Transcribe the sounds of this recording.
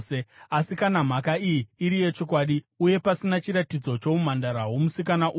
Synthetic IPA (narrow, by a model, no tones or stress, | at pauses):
easikanam̤akaijiiɾije̞t͡ʃo̞kwaɗi | uje̞pasinat͡ʃiɾatid͡zo̞t͡ʃo̞um̤andaɾaɦwomusikanaʔu